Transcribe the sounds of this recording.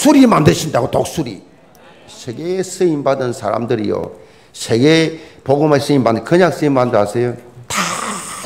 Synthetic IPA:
sʰuɾimandɯɕʰindaɡotok̚s͈ʰuɾḭ | sʰeɡesɯimbadɯnsʰa̰ɾa̰mdɯɾḭjo̰ | sʰeɡepoɡomasɯimbanɯkɯɲaŋs͈ɯimːandɯɾasʰejota

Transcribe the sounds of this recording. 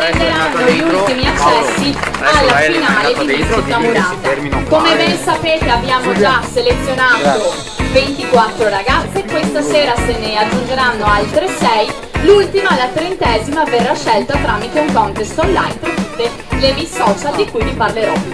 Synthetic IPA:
ed̪eɾanːoʎult̪imiat͡ʃːɛsːialːafinaːled̪ivizut̪amuɾaːt̪akomevensapeːt̪eabːjaːmod͡ʒaselet̪sːjonaːt̪o | vent̪ikwat̪ːɾoɾaɡat̪sːekwest̪aseːɾasenead͡ʒːund͡ʒeɾanːoalt̪ɾesɛj | lult̪imalːat̪ɾent̪ɛːzimaverːaʃːɛlt̪ot̪ɾaːmit̪euŋkɔnt̪est̪onlajnt̪ɾet̪ut̪ːe | lemilsɔːt͡ʃald̪ikujviparleɾɔ

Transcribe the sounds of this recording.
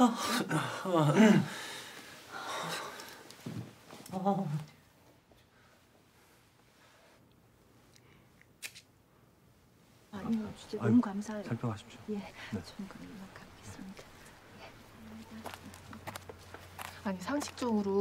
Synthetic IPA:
aɲit͡ɕu̥t͡ɕ͈emkamsʰasʰaɭpʰjokʰaɕʰi̥p̚ɕoje̞net͡ɕʌnkanmak͈aɡ͈ʰes͈ɯnidaje | aɲisʰaŋɕʰi̥k̚t͡ɕ͈ʌɡɯɾo

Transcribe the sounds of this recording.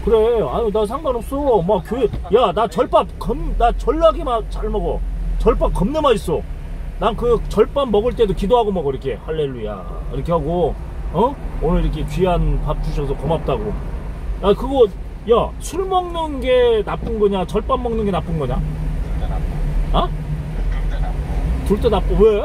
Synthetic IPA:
kɯɾe̞aɲinasʰaŋɡanɦʌp̚s͈ʌmakkjɯjanat͡ɕʌɭp͈ap̚kʌmnat͡ɕʌɭːaɡemat͡ɕaɭmʌɡot͡ɕʌɭp͈ap̚kʌmnɯmais͈ʌ | nankɯt͡ɕʌɭp͈anːʌɡɯɭt͈e̞dokidoɦaɡomaɡiɾʌkʰe̞haɭːe̞ɭːuja̰ | ḭɾʌkʰe̞ɦhaɡo | ʌonɯɾiɾʌkʰe̞t͡ɕɥianpap̚t͈ʰuɕʰʌsʰʌkʌmap̚t͈aɡo | akɯɡʌ | jasʰuɭmʌŋnɯnɡe̞nap͈ɯnɡʌɲat͡ɕʌɭp͈amːʌŋnɯnɡe̞nap͈ɯnɡʌɲa̰napatotatuɭt͈enap͈̚owe

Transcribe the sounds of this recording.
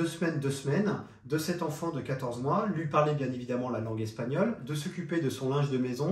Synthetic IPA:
øsmɛnd̪øsmɛn | d̪əsɛt̪ɑ̃fɑ̃d̪əkat̪ɔʁzmwalɥipaʁlɛbjɛ̃nevid̪amɑ̃lalɑ̃ɡɛspaɲɔld̪əsɔkʲyped̪əsɔ̃lɛ̃ʒd̪əmɛzɔ̃

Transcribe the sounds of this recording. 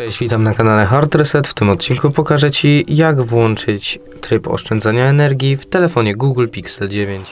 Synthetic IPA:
t͡ʂɛd͡ʑvʲit̪amnakanalɛxaɾt̪ɾsɛt̪ft̪ɘmɔt̪̚t͡ɕinŋkupɔkaʐɛt͡ɕijaɡvwɔnt͡ʂɘt͡ɕ | t̪ɾɘpɔ̰ʂt͡ʂɛnd̪zaɲaɛnɛɾɡʲjift̪ɛlɛfɔɲɛɡuɡlpʲiksɛld͡ʑevʲjeɲt͡ɕ

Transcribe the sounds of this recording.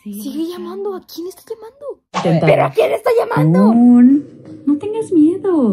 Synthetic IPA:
sisiɣeʝamãnd̪oakjenest̪ajamãnd̪o | t̪ent̪peɾoakjenest̪aʝamãnd̪onnot̪e̞ŋɡazmjeðo

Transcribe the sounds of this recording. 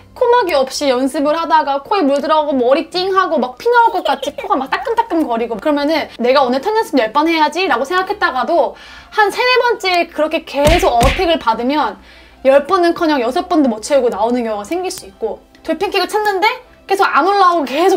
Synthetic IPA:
kʰomaɡiʌp̚ɕ͈ijʌnsʰɯmɯɭhadaɡakʰoimuɭdɯɾʌɡomʌɾit͈iŋɦaɡomak̚pʰinaɦaɭk͈ʌk͈at͡ɕʰikʰoɡamak̚t͈ak͈ɯnt͈ak̚k͈ɯnkʌɾiɡokɯɾʌmjʌnɯnːe̞ɡaonɯɭtʰanːɯnsʰɯmjʌɭp͈ʌnɦe̞jad͡ʑiɾaɡosʰe̞ŋɡakʰe̞t̚t͈aɡado | hansʰe̞nebʌnt͡ɕ͈ekɯɾʌkʰe̞ke̞sʰoɡʌtʰeɡɯɭpadɯmjʌn | jʌɭp͈ʌnɯnkʰʌɲaŋjʌsʰʌp͈ʌndomʌt͡ɕʰeuɡonaonɯnjʌŋɡasʰe̞ŋɡiɭs͈uit̚k͈o | toɭpʰiŋkʰiɡɯt͡ɕʰanːɯnde̞ | ke̞sʰoɡanuɭːaoke̞sʰo

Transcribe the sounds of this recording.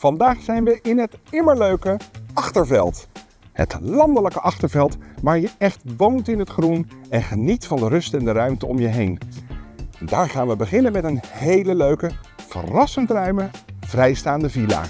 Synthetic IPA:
v̥ɑndaːχsɛjnʋəʔɪnɦətɪməɹløɥkəɑχtəɹvɛ̰lˠt | hə̰tlɑndələkəʔɑχtəɹvɛlˠtʋaːɹjəɛχtʋowntɪnɦətχrunɛnχənitfɑndərɵstɛndərœɥmtəɔ̰mjəɦejn | ndaːɹχaːnʋəbəχɪnənmɛtənhejləløɥkəv̥ə̰rɑsəntrœɥməv̥rɛjstaːndəvila̰ː

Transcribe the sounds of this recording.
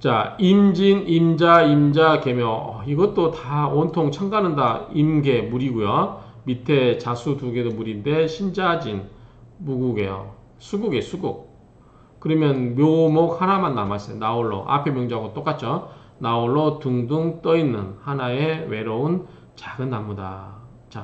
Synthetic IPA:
t͡ɕa̰imd͡ʑinimd͡ʑaimd͡ʑake̞mjʌʌiɡʌt͈otaontʰoŋt͡ɕʰaŋɡanɯndaimɡe̞muɾiɡujomitʰe̞t͡ɕasʰutuɡe̞domuɾinde̞ɕʰind͡ʑad͡ʑinmuɡuɡe̞̰jo̰ | sʰuɡuɡesʰuɡuk̚ | kɯɾʌmjʌnmjomok̚hanamanːamas͈ʌjonaoɭːo̰ʔa̰pʰemjʌŋd͡ʑaaɡot͈ok͈at̚t͡ɕʰo | naoɭːotuŋdɯŋt͈ʌinːɯnhanaewe̞ɾoun | t͡ɕaɡɯnːamːuda̰ | t͡ɕa

